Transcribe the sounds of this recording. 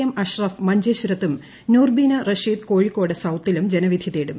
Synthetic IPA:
ɐmɐɕrɐfmɐɲd͡ʑeɕuɾɐt̪ːum | nuːrbiːnɐrɐʂiːd̪ko̞ːɻikːo̞ːɽɐsɐwt̪ːilumd͡ʑenɐʋid̪ʱiðeːɽum

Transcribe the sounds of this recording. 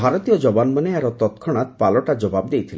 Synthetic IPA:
bʱaɾɔt̪ijɔd͡ʒɔbanmaneaɾɔt̪ɔt̪kʰɔɽ̃at̪palɔʈad͡ʒɔbab̚d̪ejt̪ʰile

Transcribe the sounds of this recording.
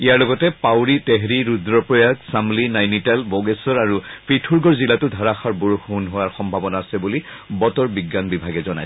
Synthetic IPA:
ijaɹlɔɡɔtɛpawɹiteɦɹiɹudɹɔpɹɔjaɡsamlinajnitalbɔɡesɔɹaɹupʰɹitʰuɹɡɔɹzilatʊdʱaɹaxaɹbuɹuxunɦowaɹxɔmbʱabɔnaːsɛbulibɔtɔɹbiɡːanbibʱaɡɛzɔna̰j

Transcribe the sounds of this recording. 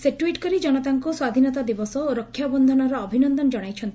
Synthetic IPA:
seʈuiʈkɔɾid͡ʒɔɽ̃ɔt̪aŋkuswad̪ʱinɔt̪ad̪ibɔsɔoɾɔkʰːjabɔnd̪ʱɔnɔɾɔːbʱinɔnd̪ɔnd͡ʒɔɽ̃ajt͡ʃʰɔnt̪

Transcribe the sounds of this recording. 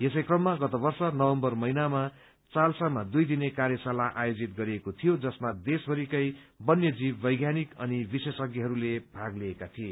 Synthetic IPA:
jesʌjkrʌmːaɡʌt̪ʌbʌrsʌnʌwʌmbʌrmʌinama | t͡salsamad̪ujd̪inekarjʌsalaʔajod͡zit̪̚ɡʌɾiekot̪ʰijod͡zʌsmad̪esbʱʌɾikʌj | bʌnjʌd͡zibːʌjɡjanikʌnibisesʌɡiɦʌɾulebʱaɡliekat̪ʰie

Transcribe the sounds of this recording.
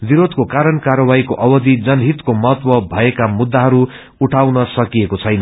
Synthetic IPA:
biɾod̪ʱkokaɾʌnkarʌwaikoʔʌbʌd̪id͡zʌnɦit̪komʌɦʌt̪wʌbʱʌekamud̪ːaɦʌɾu | uʈʰawnʌsʌkijekot͡sʰʌjnʌ

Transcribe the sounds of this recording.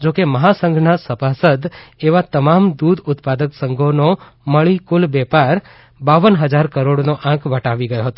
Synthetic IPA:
d͡ʒokeməɦasə̃ŋɡʱnasəpasəd̪eʋat̪əmamd̪ud̪ʊt̪pad̪əksəŋɡʱono | məɭikulbɛpaɾ | baʋənɦəd͡ʒaɾkəɾoɽnoʔãkʰʋəʈaʋiɡəjoɦət̪o

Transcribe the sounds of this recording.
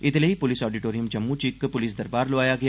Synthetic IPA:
ɪt̪ləipʊlɪsɔːɖiʈoːɾijəmd͡ʒɐmːut͡ʃɪkːpʊlɪs̬d̪ɐɾbaːɾloaːjaɡɐja

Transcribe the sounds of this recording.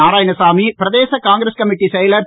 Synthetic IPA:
aːɾaːjɐnɐsaːmipɪɾɐðeːsɐkaːŋɡɾɐskɐmɪʈːisɛjɐlɐɾ

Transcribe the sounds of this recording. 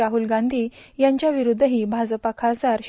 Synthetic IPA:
aɦulɡãnd̪ʱiːjaɲt͡ɕjaʋiɾud̪ʱːəɦiːbʱad͡zəpakʰad͡zaɾɕ

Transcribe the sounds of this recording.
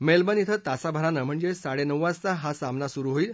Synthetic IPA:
melbənit̪ʰət̪asabʱəɾanəm̤əɳd͡zesaɽenəʋːast͡saɦasamnasuɾuːɦoiːl

